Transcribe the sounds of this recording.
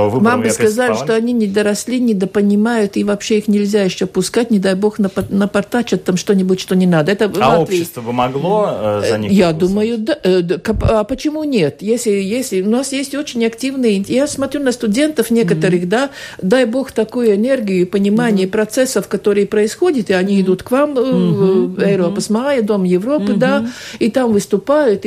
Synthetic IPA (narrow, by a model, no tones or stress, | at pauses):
vɨmamɨskɐzalʲɪɪʂt̪oɐnʲinʲɪd̪əɾɐsʲlʲinʲɪd̪əpənʲɪmajʊt̪ivapɕːeixnʲɪlʲzʲajɪɕːopʊskatʲnʲɪd̪ajbo̞xnəpɐnəpɐrt̪at͡ɕɐt̪ːamʂt̪o̞nʲɪbʊtʲʂt̪o̞nʲɪnad̪əɛt̪əvaot̪ɾʲiɪst̪vəbɨmɐɡlˠozɐjad̪uməjʊd̪akɐpapət͡ɕɪmunʲe̞t̪jesʲlʲɪjesʲlʲɪʊnasjesʲtʲo̞t͡ɕɪnʲɐktʲivnɨjəɪnʲjasmɐt̪ɾʲunəst̪ʊdʲe̞nt̪əfnʲe̞kət̪əɾɨxd̪ad̪ajbo̞xt̪ɐkujʊɛnʲerɡʲɪjʊɪpənʲɪmanʲɪjəpɾɐt̪sɛsːəfkɐt̪o̞ɾɨjəpɾəɪsxo̞dʲɪt̪ɪɐnʲiɪd̪ut̪kvam | ɛɾoɐpəsmɐajəd̪o̞mjɪvɾo̞pɨd̪ait̪amvɨst̪ʊpajʊt̪